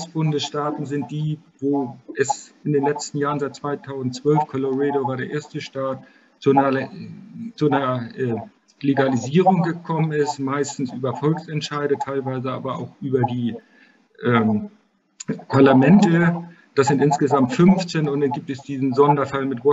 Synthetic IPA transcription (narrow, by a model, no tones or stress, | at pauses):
sb̥ʊndəsʃtaːtn̩zɪnt̚d̥iːvoːʔɛsʔɪndeːnlɛt͡stn̩jaːʁən̩zaɪt̚t͡sv̥aɪtʰaʊzn̩tt͡sv̥œlfkʰɔloʁɛːdovaːɐɾeːɐʔeːɐstəʃtaːt̚ | t͡suɐ | t͡sunɐʔɛː | leɡaliziːʁʊŋɡəkʰɔmənɪstmaɪstn̩sʔyːbɐfɔlksɛntʃaɪɾətʰaɪlvaɪzəa̰ːbɐa̰ʊxʔyːbɐdiː | ʔɛːm | pʰaɐlamɛntə | d̥aszɪntʔɪnsɡ̥əzamtfʏnft͡senʊntd̥anɡiːp̚tɛsd̥iːzn̩zɔndɐfalmɪtv̥ɔ